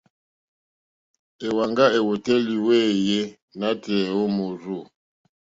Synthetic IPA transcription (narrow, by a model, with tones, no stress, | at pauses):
e˨wa˨ŋɡa˦e˨wo˨tɛ˦li˨we˦˨je˦ | na˦tɛ˨o˦mo˨zo˦˨